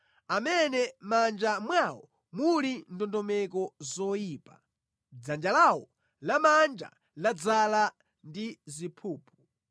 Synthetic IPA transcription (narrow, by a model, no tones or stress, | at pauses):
amɛnɛmand͡ʒamwawɔ̰ | mulindɔndɔmɛkɔzɔjiːpa̰ | d͡zand͡ʒalawɔ | lamand͡ʒa̰ | lad͡zala | ndizipʰuːpʰu